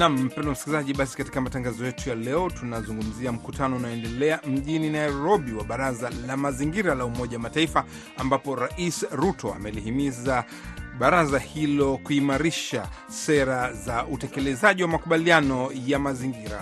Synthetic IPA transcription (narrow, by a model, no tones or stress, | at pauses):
nam̩ːpɛndɔmsi̥kilizaʄiɓasi̥kati̥kamatãŋɡazɔjɛtujalɛɔtunazuŋɡum̩ziam̩kutʰanɔunajɔɛndɛlɛam̩ʄininaiɾɔɓiwaɓaɾazalamaziŋɡiɾalaumɔʄawamataifa | ambapɔɾaʔisɾutɔa̰mɛlihimiza | ɓaɾazahilɔkuimaɾiʃa | sɛɾazaʔutɛkɛlɛzaʄiwamakuɓalianɔjamaziŋɡiɾa̰